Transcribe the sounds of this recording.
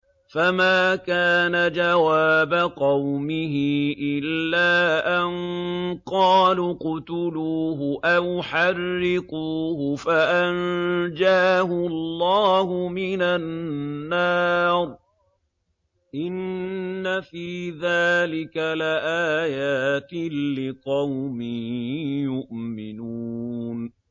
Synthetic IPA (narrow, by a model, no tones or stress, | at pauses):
famaːkaːnad͡ʒawaːbaqɑwmɪɦɪʔɪlːaːʔaŋqɑːlqʊt̪ʊluːɦʊʔawʊħɑrːɪquːhʊfaʔand͡ʒaːhʊlˤːɑːhʊmɪnanːɑːɾˤ | ʔɪnːafiːðaːlɪkalɪʔaːjaːt̪ːɪqɑwmɪjʊʔmɪnuːn